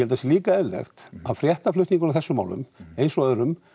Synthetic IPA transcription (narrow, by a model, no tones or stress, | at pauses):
ɛlt̪asjɛliːkaɛðlɛ̰xt̪aðfɾjɛht̪aflʏht̪niŋkʏnawθɛsʏmaːwlʏ̰mejnsɔœðɾʏm